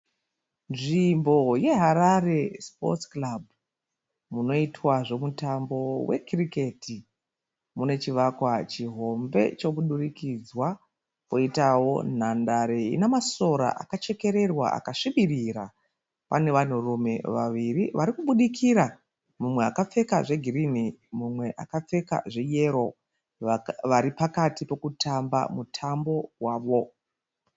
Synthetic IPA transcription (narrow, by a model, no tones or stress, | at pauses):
nʐimbo̞je̞ɦaɾarespo̞̰t͡sklabʱu | muno̞itwaʐo̞mutambo̞we̞̰krike̞ti | mune̞t͡ʃiʋakwat͡ʃiɦo̞mbe̞̰t͡ʃo̞kuɗurikid͡zwa | koitawo̞n̤andaɾeḭnamaso̞ɾa̰ʔa̰kat͡ʃe̞keɾe̞rwa̰ʔa̰kaʂiɓiriɾa | pane̞ʋan̤urume̞ʋaʋiriʋʔaɾikuɓuɗikʰiɾa | mumwe̞akap͡fe̞kaʐe̞ɡʱirinimumwe̞ʔa̰kap͡fe̞ka̰ʐe̞je̞ɾo̞ | ʋaɾipakatipo̞kutʰamba̰mutʰambo̞waːʋo̞